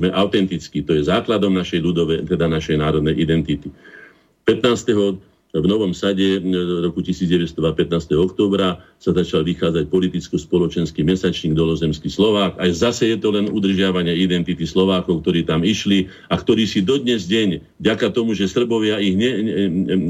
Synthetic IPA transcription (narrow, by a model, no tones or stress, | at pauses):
mɛʔaʊt̪ɛnt̪it͡skit̪ɔjɛzaːklad̪ɔmnaʃɛjlud̪ɔʋɛt̪ɛd̪anaʃɛjnaːɾɔd̪nɛjʔid̪ɛnt̪it̪i | pɛt̪naːst̪ɛɦɔ | ʋnɔʋɔmsaɟɛɾɔkucisiːd͡zɟɛʋɛst̪ɔʋapɛt̪naːst̪ɛɦɔɔk̚t̪ɔːbɾa | sazat͡ʃalʋixaːd͡zac̚pɔlit̪it͡skɔspɔlɔt͡ʃɛnskimɛsat͡ʃɲiːɡd̪ɔlɔzɛmskislɔʋaːkajzasɛjɛt̪ɔlɛnud̪r̩ʒɪaʋaɲɪɛid̪ɛnt̪it̪islɔʋaːkɔʊk̚t̪ɔɾiːt̪amiʃli | akt̪ɔɾiːsid̪ɔd̪ɲɛzɟɛɲvɟakat̪ɔmuʒɛsr̩bɔʋɪaiɣɲɛ